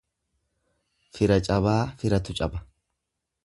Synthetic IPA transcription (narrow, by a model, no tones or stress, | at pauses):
fɪɾɐt͡ʃʼɐβaːfɪɾɐt̪ʊt͡ʃʼɐbɐ